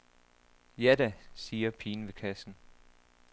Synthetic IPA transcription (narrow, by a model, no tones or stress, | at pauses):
jædæsiːɐpʰiːnʋe̝kʰæsn̩